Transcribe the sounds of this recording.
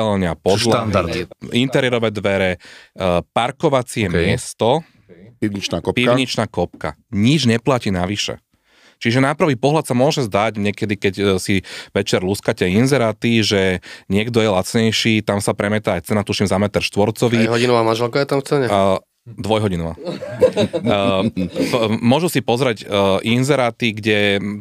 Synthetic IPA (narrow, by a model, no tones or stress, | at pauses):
ɛlɲɪapɔland̪aɾd̪iint̪ɛɾɪɛɾɔʋɛːd̪ʋɛɾɛ | paɾkɔʋat͡siɛmɪɛst̪ɔ | piʋɲit͡ʃnaːkɔpiɲit͡ʃnaːkɔpka̰ɲid͡ʒɲɛplaciːnaʋiʃɛ̰ | t͡ʃiʒɛnapɾʋiːpɔɦlat̪samʊɔʒɛzd̪aɟɲɛkɛd̪ikɛcsiʋɛt͡ʃɛɾluskacɛinzɛɾaːt̪iʒɛɲɪɛɡd̪ɔjɛlat͡sɲɛjʃiːt̪amsapɾɛmɛt̪aːjt͡sɛnat̪uʃimzamɛt̪ɛɾʃt̪ʋɔɾt͡sɔʋiɦɔinɔʋaːmanʒɛlkajɛt̪amft͡sɛɲɛ | d̪ʋɔjɦɔɟinɔʋa̰ː | mʊɔʒusipɔzɾɛɟʔinzɛɾaːt̪iɡɟɛ